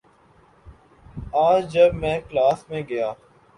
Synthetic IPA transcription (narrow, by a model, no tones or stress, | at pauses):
aːd͡ʒd͡ʒɐbmɛ̃ːklaːsmẽɡɐjaː